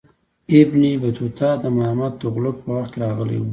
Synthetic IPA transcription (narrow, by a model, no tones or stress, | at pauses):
ɪbnibat̪ut̪ʰɑd̪əmahamat̪̚d̪əɣlʊk̚pəwaxt̪̚keɾɑɣəlḛwu